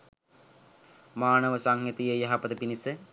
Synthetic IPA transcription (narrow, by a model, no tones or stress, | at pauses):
maːnəʋəsaŋjit̪ijəjaɦapəd̪əpinisə